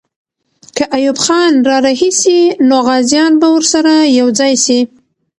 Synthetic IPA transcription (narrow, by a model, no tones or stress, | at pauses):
kəʔajubxɑnɾɑɾaɦisinoɣɑzjɑnbawəɾsaɾajawd͡zɑjʃi